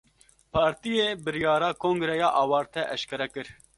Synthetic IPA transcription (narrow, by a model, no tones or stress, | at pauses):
pʰɑːɾt̪ijeːbɨɾjɑːɾɑːkʰoːŋɡɾɛjɑːʔɑːwɑːɾt̪ʰɛʔɛʃkɛɾɛkɨɾ